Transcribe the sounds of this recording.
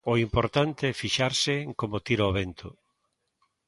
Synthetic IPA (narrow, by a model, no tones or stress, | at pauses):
oimpoɾt̪ant̪efiʃaɾsɪŋkomot̪iɾaoβent̪ʰʊ